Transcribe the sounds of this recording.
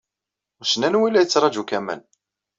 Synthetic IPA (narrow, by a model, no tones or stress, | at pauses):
ʊsnænwilːæjət͡sːɾˤɑd͡ʒukæmə̰n